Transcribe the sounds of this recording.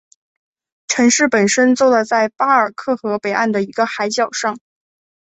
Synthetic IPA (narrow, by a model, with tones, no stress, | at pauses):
ʈ͡ʂʰɤ˧˥ŋʂɻ̩˥˩pə˨˩nʂə˥nt͡swɔ˥˩d̪ə˩t͡sa˥˩ɪpa˥ə˞˨˩kʰɤ˥˩xɤ˧˥pe˨˩ɪʔa˥˩nd̪ə˩i˧˥ɡə˧xa˧˥ɪt͡ɕjɑ˨˩ʊʂɑ˥˩ŋ